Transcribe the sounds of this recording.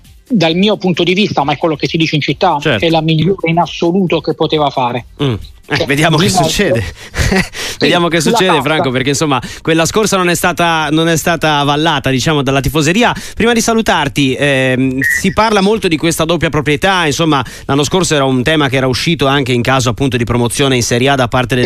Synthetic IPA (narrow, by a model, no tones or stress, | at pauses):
d̪almiːopunt̪od̪ivist̪amaɛkːwelːokesid̪iːt͡ʃeint͡ʃit̪ːat͡ʃɛɛlamiʎːoːɾeinasːoluːt̪okepːot̪eːvafaːɾem̩ | ɛved̪jaːmokesːut͡ʃːɛːd̪e | ved̪jaːmokesːut͡ʃːɛːd̪efɾaŋkopeɾrk̟einsomːakwelːaskorsanonɛst̪aːt̪anonɛst̪aːt̪avalːaːt̪ad̪it͡ʃaːmod̪alːat̪ifozeɾiːapɾiːmad̪isalut̪art̪iɛsiparlamolt̪od̪ikwest̪ad̪opːjapɾopɾjet̪ainsomːa | lʔanːoskorsoɛːɾaunt̪ɛːmakeɛːɾauʃːiːt̪oaŋk̟eiŋkaːzoapːunt̪od̪ipɾomot̪sːjoːneinseɾjad̪apːart̪ed̪